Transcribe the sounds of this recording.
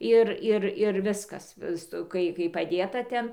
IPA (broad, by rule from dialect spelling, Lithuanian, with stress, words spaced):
ˈɪr ˈɪr ɪr ˈʋʲɪskɐs ˈstoː ˈkɐɪ kɐɪ pɐˈdʲeːtɐ ˈtʲɛn